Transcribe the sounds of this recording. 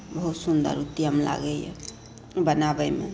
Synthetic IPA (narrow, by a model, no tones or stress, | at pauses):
bəɦut̪sund̪ə̰ɾut̪iəmla̰ɡəjɛ̰ | bənabəjmḛ